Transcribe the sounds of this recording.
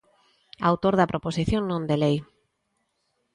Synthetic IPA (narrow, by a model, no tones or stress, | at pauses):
awt̪oɾðapɾoposiθjoŋnõnd̪elej